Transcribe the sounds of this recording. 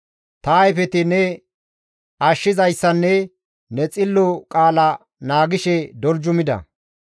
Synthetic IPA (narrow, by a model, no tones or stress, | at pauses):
t̪ɐjfɛt̪ɪnɛ | ɐʃːɪzɐjsːɐnːɛ | nɛt͡sʼɪlːɔkʼaːlɐ | naːɡɪʃɛd̪ɔld͡ʒʊmɪd̪ɐ̰